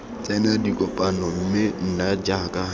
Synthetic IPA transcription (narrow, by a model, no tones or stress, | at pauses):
t͡sʼɛnadikʼɔpʼanɔm̩mɪn̩nad͡ʒakʼa